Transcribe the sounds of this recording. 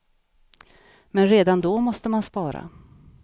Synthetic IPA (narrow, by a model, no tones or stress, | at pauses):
mɛnɾeːd̪and̪ɔmɔst̪əmanspɑːɾa̰